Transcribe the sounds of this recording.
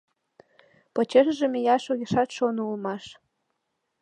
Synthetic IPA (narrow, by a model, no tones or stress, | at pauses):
pŏt͡ɕeʃʒĕmejɑʃoɣeʃɑt̪ʃonulmɑʃ